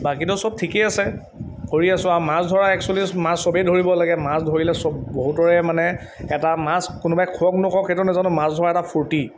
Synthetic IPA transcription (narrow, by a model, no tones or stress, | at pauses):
bakitʊsɔb̚tʰikeasɛ | dʱoɹiasʊ̃amasdʱɔɹaɛksɔlismãsːɔbejdʱoɹibɔlaɡɛmasdʱoɹilɛsɔbːoɦutɔɹɛmanɛ | ɛtamaskʊnʊbajkʰuɔk̚nʊkɔkxetʊnɛzanʊmasdʱɔɹaɛtapʰuɹti